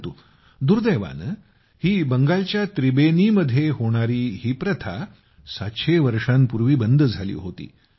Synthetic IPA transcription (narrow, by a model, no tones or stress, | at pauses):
t̪uː | d̪uɾd̪əjʋa̰n | hiːbəŋɡalt͡ɕjat̪ɾibeniːməd̪ʱːjeɦoɽ̃aɾiːɦiːpɾət̪ʰa̰ | saɕʰeʋəɾʂãmpuɾʋiːbənd̪ʱəd͡zʱalḭːɦot̪ḭː